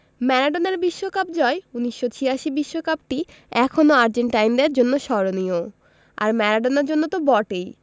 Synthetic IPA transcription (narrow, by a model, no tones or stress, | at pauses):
mɛɾaɖonaɾbiʃːokapd͡ʑɔeuniʃːot͡ɕʰiɾaʃibiʃːokap̚ʈi | ɛkʰonoaɾd͡ʑeɳʈajnd̪eɾd͡ʑonːoʃɔɾonio | a̰ɾmɛɾaɖonaɾd͡ʑonːot̪obɔʈej